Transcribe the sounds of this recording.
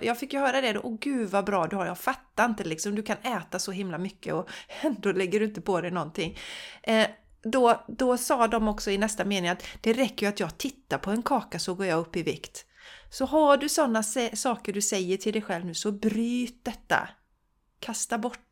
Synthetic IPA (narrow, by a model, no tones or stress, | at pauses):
jɑːɡfɪkːjɵɦœːɾad̪ɛd̪ʔɔɡʉ̟ːvabɾɑːd̪ɵhaɾjɑːɡfat̪ːaɾɪnt̪əlɪksɔmd̪ɵkʰanɛːt̪asɔɦɪmlamʏkːə̰ɔɛnd̪oːlɛɡːəɖɵɪnt̪əpʰɔd̪ɛjnɔnt̪ʰɪŋː | d̪ɔd̪ɔsɑːd̪ɔmɔksɔɪnɛst̪ameːnɪŋat̪d̪̥ɛɾɛkːəjɵat̪jɑːɡt̪ʰɪt̪ːaɾpʰɔɛnkʰɑːkasɔɡoːɾjɑːɡɵpːɪvɪ̰kt̪ | sɔɦaɖɵsɔnːasɛsɑːkəɖɵsɛjːəʈʰɪld̪ɛjɧɛlvnʉ̟ːsɔbɾyːt̪̚d̪ɛt̪ːa̰ | kʰast̪abɔʈː